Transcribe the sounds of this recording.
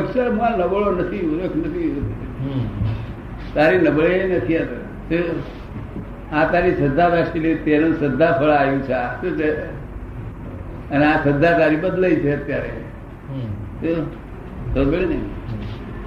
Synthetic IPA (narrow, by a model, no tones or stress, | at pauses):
əksəɾmãnəbəɭonət̪ʰionekʰnət̪ʰiot̪ | t̪aɾinəbɭenət̪ʰiat̪ə | t̪e | at̪aɾisəd̪ʱːaʋɛsʈilet̪eɾənsəd̪ʱːapʰəɭajũt͡ʃʰeasut͡ʃʰe | əneasəd̪ʱːat̪aɾibəd̪ləit͡ʃʰeət̪jaɾḛ | t̪o | t̪obeɭnəi